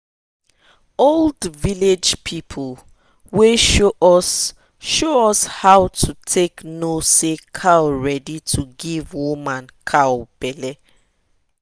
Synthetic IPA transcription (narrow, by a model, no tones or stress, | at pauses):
oldviled͡ʒpʰipʰl | weʃ | ʃoɔshawtʰutʰeknosekʰawɹɛditʰuɡivwumãnkʰawb̥ɛlɛ